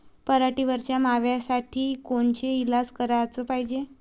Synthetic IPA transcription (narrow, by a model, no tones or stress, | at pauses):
pəɾaʈiːʋəɾt͡ɕjamaʋjasaʈʰiːkoɳt͡ɕeilaskəɾat͡sopaɦid͡ʑe